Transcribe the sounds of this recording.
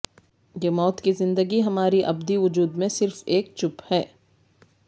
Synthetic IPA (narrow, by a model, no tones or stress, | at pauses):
jeːmɔːt̪kizɪ̃nd̪əɡiɦɐmaːɾiʔɐbd̪iʋʊd͡ʒuːd̪mẽsɪɾfeːk̚t͡ʃʊphɛː